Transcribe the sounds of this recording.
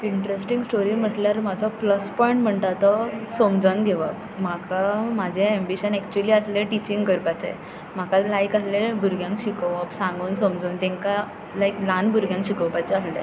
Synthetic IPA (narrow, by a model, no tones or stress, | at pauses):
iɳʈɾesʈiŋɡsʈoɾim̤əʈljaɾmad͡zɔpləspɔjiɳʈm̤əɳt̪at̪ɔsomd͡zəŋɡʱeʋək | m̤akʰamad͡ʑʱeembiɕənɛkt͡ɕuəliːasleʈit͡ɕiŋɡɡəɾpat͡ɕḛ | m̤akalajkaslebʱuɾɡjãŋkɕikəʋəpsãŋɡuːnsomd͡zont̪ẽŋka | lajklanbʱuɾɡjãŋkɕikəwpat͡ɕeaslḛ